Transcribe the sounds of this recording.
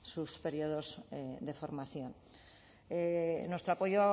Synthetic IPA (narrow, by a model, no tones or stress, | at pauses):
suspe̞ɾioðo̞zed̪e̞fo̞ɾmaθjon | enwest̪ɾoapo̞ʝo